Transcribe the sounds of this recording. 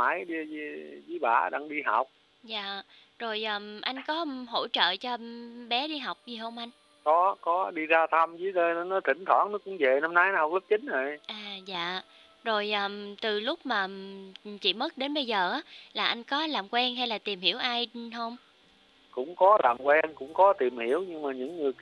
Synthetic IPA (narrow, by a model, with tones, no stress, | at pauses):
ma˧˨˦jɗi˧zi˨˧˦zɨ˨˦jɓa̰ː˧˩ɗaː˧ŋɗi˧ɦa˨˩wk͡p̚ | za̰ː˧˨ | zo˨˩jʔəː˨˩ʔa˧jŋ̟kɔ˨˦ɦo̰˧˥t͡ɕə̰ː˧˨t͡ɕɔ˧ɓɛ˨˦ɗi˧ɦa˨˩wk͡p̚zi˨˩ɦə˧wŋ͡mʔa˧jŋ̟ | kɔ˨˦kɔ˨˦ɗi˧zaː˧t̪ʰa˧mzɨ˨˦zə˧˨˦nɔ˨˦t̪ʰï˧˩˦ŋ̟t̪ʰwɔ̰˧˩˦ŋnɔ˨˦kʊ̰˧˥ŋ͡mve˨˩na˧mna˨˦jn˧˦hk͡p̚lu˦˥p̚t͡ɕi˨˦ŋ̟ʔə˨˩jʔaː˨˩za̰ː˧˨ | zo˨˩jʔəː˨˩t̪ɨ˨˩lʊ˦˥k͡p̚maː˨˩˨t͡ɕḭ˧˨mə˦˥t̚ɗe˨˦nɓə˧jzəː˨˩ʔaː˨˦laː˨˩ʔa˧jŋ̟kɔ˨˦laː˨˩mkwɛ˧nɦa˧jlaː˨˩t̪i˨˩mhi˧˩əwʔaː˧jɦə˧wŋ͡m | kʊ̰˧˥ŋ͡mkɔ˨˦laː˨˩mkwɛ˧nkʊ̰˧˥ŋ͡mkɔ˨˦t̪i˨˩əmhi˧˩˨əwɲɨ˧ŋmaː˨˩ɲɨ̰˧˥ŋːɨ˨˩əj